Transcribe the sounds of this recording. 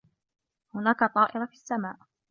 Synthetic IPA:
hʊnaːkat̪ˤɑːʔɪɾafisːamaːʔ

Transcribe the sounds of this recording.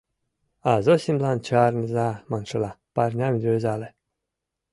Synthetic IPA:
azosʲimblˠant͡ɕarnəzamanʂɤlˠaparʲnʲamʲd̪ʲøzale

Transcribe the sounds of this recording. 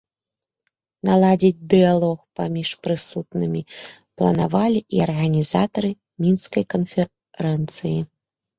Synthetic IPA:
nalˠad͡zʲid͡zʲd̪ɨjalˠɔxpamʲiʂpɾɨsut̪nɨmʲi | plˠɐ̰navalʲiʔiɐrɣɐnʲizat̪ɐɾɨ | mʲinskɐjkɐnfʲɛ | ɾɛnt̪sɨji

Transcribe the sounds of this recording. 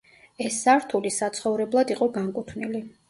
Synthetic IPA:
ɛsːaɾt̪ʰulisat̪sʰχɔvɾɛblˠad̪iqʼɔɡaŋkʼut̪ʰvnili

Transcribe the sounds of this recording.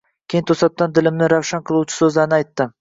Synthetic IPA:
kʲʰejɪnt̪ʰosɑt̪̚t̪ːɑnd̪ɪlɪmnɪŋɾawʃɑnqʰɨlˠut͡ʃʰɪ̥sɵzlɑɾnɑjt̪ːɪm

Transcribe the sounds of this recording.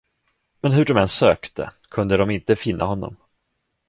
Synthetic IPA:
mɛnɦɵɖɔmɛnsøːkt̪ʰə̰kʰɵnd̪əd̪ɔmɪnt̪əfɪnːa̰ɦɔnːɔ̰m

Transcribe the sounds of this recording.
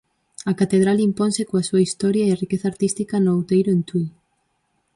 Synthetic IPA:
ɐkat̪eð̞ɾalimponsɪkoɐsuɐist̪ɔɾjɐeɐrikeθɐːɾt̪ist̪ikɐnoawt̪ejɾʊent̪ui

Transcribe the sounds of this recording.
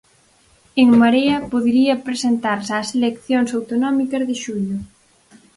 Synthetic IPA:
eŋmaɾeɐpoðɾiɐpɾesent̪aɾsaselekθjoŋsawt̪onɔmikɐzðɪʃuʎʊ

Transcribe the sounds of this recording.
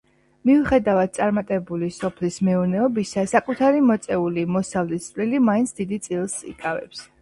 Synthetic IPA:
miuχɛd̪avad̪̥̚sʼaɾmat̪ʼɛbulisɔpʰlismɛɔnɛɔbisasakʼut̪ʰaɾimɔt̪sʼɛulimɔsavlist̪ʼlilimaint̪sʰd̪id̪it̪sʼilˠsḭkʼavɛ̰ps

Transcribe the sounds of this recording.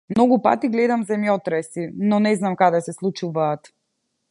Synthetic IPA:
mnɔɡupa̰t̪iɡlɛd̪amzɛmjɔt̪ɾɛsinɔnɛznamkad̪ɛsɛslˠut͡ʃuvaːt̪

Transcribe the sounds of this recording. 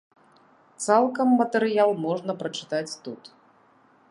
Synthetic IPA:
t̪salˠkɐmːɐt̪ɛɾɨjalˠmɔʐnɐpɾɐt͡ʂɨ̥t̪at͡sʲt̪ut̪

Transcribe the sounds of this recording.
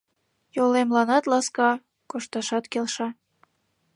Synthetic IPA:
jolemlɑnɑt̪lɑskɑ | koʃt̪ɑʃɑt̪kelʃɑ

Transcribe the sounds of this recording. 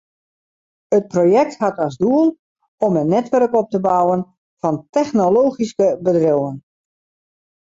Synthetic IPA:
ət̚proːjɛk̚thatɔzduəlˠ | ɔmənːɛtʋɛrkɔp̚təbawən | fɔntɛxnoloːxiskəbədrowən

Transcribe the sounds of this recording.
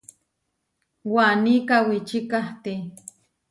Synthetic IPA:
wanikawit͡ʃikaht̪e

